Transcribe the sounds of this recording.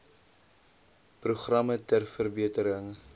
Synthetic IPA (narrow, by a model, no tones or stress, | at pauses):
pruχrɐmətærfərbiətəɾəŋ